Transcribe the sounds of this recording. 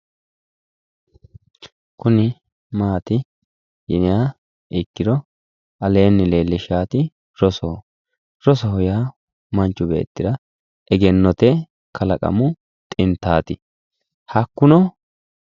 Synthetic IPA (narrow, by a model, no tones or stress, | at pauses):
kʊnɪ | maːt̪ɪ | jɪnɪjaː | ʔɪkːɪd̪ɔ | ɐleːnːɪleːlːɪʃaːt̪ɪ | ɾɔsoː | ɾɔsɔhʊjaː | mɐnt͡ʃːʊbḛːt̪ːɪd̪ɐ | ʔɛɡɛnːɔt̪ɛ | kʰɐlɐkʼɐ̰mʊ | t̪ʼɪnt̪ːaːt̪ɪ | hɐkːʊnɔ